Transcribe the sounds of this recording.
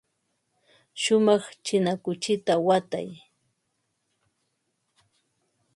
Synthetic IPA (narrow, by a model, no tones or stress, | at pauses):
ʃʊmɑχt͡ʃɪnakʊt͡ʃɪt̪awat̪a̰j